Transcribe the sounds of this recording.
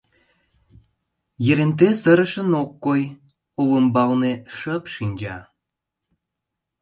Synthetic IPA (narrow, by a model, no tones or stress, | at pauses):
jə̆ɾent̪̬esə̆ɾə̆ʃə̆nokːoj | oβəmbɑlneʃəpʃinʲd͡ʑɑ